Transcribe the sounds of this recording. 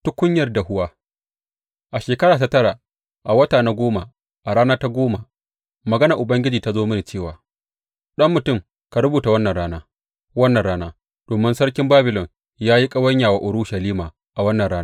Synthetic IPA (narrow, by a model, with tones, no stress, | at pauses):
tʊ˦kʷʊ˦ɲjɐ˨rda˨hʊ˦waː˦ | ʔa˨ʃeː˨kɐ˦ɽaː˨ta˦tɐ˦ɽa˨ | ʔa˨wɐ˦taː˨na˦ɡʷoː˦ma˨ | ʔa˨ɽaː˦naː˦ta˦ɡʷoː˦ma˨ | mɐ˨ɡɐ˦nɐ˨ʔʊ˨bɐ˦ŋɡʲɪ˦d͡ʒiː˨ta˦zoː˦mɐ˦ni˨t͡ʃeː˦˨waː˨ | ɗɐ˦mːʊ˨tʊ˦˨m | ka˨ɾʊ˦buː˨ta˨wɐ˦nːɐ˨ɽaː˦naː˦ | wɐ˦nːɐ˨nɽaː˦naː˦ | d̥oː˨mɪ˦nsɐ˦ɽkʲɪ˦mbaː˦bɪ˨lɔ˨n | jaː˦ji˦kʼɐ˦wɐ˦ɲjaː˨waː˦˨ʔʊ˨ɽʊ˦ʃɐ˨liː˦maː˨ | ʔa˨wɐ˦nːɐ˨nɽaː˦n˦